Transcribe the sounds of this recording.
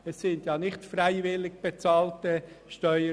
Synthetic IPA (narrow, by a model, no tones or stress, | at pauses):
ɛsːɪndjɑːnɪχtfræɪvɪlːɪɡ̚b̥et͡sɑːltəʃtœʏə